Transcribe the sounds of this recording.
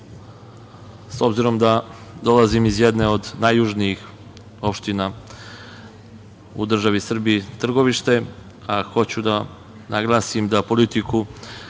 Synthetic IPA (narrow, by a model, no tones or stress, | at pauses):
so̞bziɾo̞md̪ad̪o̞lˠazimizjed̪neo̞d̪najːuʒniix | o̞pʃt̪ina | ṵd̪r̩ʒaʋisr̩biit̪r̩ɡo̞ʋiʃt̪e̞ | axo̞t͡ɕud̪a | naɡlˠaːsimd̪apo̞lit̪iku